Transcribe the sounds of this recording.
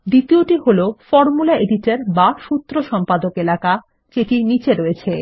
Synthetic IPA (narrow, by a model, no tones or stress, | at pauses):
d̪it̪ioʈiɦolofɔɾmulaeɖiʈaɾbaʃut̪ːɾoʃɔmpad̪okelaka | t͡ɕeʈinit͡ɕeɾoet͡ɕʰe